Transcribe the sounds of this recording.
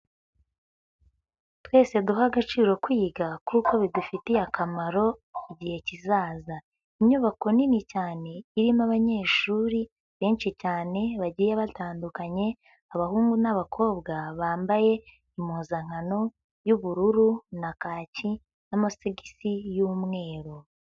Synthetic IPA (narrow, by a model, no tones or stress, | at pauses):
twe̞ːse̞duɦaɡat͡ʃiːɾo̞kwiːɡakuko̞βidufitijakʰamaɾo̞iɟihe̞cizaːza | iɲɲuβako̞ninicaːne̞iɾimaβaɲe̞ːʃuːɾi | βe̞ːnʃicaːne̞βaɟiːjeβataːndukaɲe̞ | aβahuːŋɡunaβakʰo̞ːbɡaβaːmbaje̞ | imuːzaŋ̥ano̞ | juβuɾuɾunakaːci | namasiɡisijuːmŋe̞ːɾo